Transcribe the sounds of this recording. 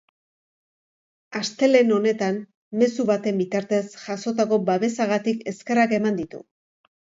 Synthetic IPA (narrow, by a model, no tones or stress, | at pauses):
ast̪e̞le̞no̞ne̞t̪an | me̞suβat̪e̞mbit̪aɾt̪e̞sʝaso̞t̪ako̞baβe̞saɣat̪ike̞ske̞rake̞mand̪it̪ṵ